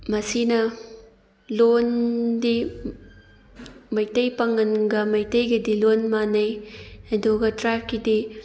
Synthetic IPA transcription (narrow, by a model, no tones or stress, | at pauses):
mɐsinɐ | londi | mɐjtɐjpɐŋɐnɡɐmɐjtɐjɡɐdilonmanɐjɐdoɡɐtɾajp̚kidi